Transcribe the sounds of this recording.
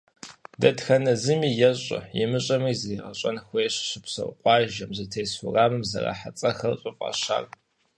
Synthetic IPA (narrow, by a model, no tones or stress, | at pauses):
dɐtxɐnɐzɨmiːjɛɕʼɐ̰jɛmɨɕʼɐmiːzejqɐɕʼɐnxʷejɕɕɪpsɐ̰wqʷʼɑːʒɐmzɨtʰejsʊraːmɨmzɐ̰ra̰ːħat͡sʼɐxɐrɕʼɪfʼɑ̰ɕa̰ːr